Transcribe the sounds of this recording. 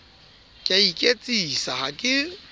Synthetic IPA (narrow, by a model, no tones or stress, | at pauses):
kʼaikʼet͡sʼisahakʼɪ